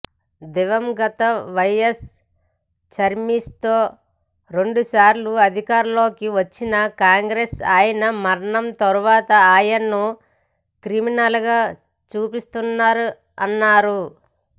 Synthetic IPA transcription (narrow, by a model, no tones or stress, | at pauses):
d̪iʋɐmɡɐt̪ɐʋɐjes | t͡ʃɐɾmist̪oː | ɾe̞ɳɖusaːɾluɐd̪ʱikaːɾulo̞ːkiʋɐt͡ʃːinɐkaːŋɡɾesaːjɐnɐmɐɾɐɳɐmt̪ɐɾuʋaːt̪ɐaːjɐnːu | kɾiminɐlɡaː | t͡ʃuːpist̪unːaːɾu | ɐnːaːɾu